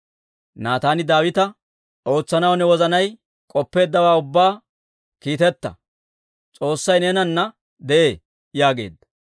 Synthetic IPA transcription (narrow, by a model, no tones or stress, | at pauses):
naːt̪aːnɪd̪aːwɪt̪ɐ | ʔo̞ːt͡sːɐnɐwnɛwɔzɐnɐj | kʼɔpːe̞ːd̪ːɐwaːʊbːaː | kiːt̪ɛt̪ːɐ̰ | t͡sʼo̞ːsːɐjneːnɐnːɐ | d̪ɛʔeː | jaːɡe̞̰ːd̪ːɐ̥